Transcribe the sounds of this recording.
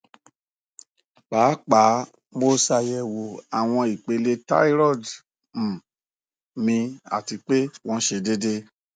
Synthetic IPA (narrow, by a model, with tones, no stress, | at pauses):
k͡paː˨˦k͡pa˨˦ | mo˦sa˧jɛ˧wo˨a˨w̃ɔ̃˧i˨k͡pe˨˧˦le˧˦ta̰˦i˦ɾɔ˦˨d | m̩˨ | mĩ˧a̰˨ti˧k͡pe˦w̃ɔ̃˧ʃe˧de˦de˦